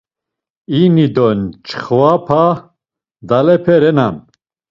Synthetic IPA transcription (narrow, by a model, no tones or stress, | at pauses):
inid̪ɔnt͡ʃʰχapʰa | d̪alɛpʰɛɾɛnan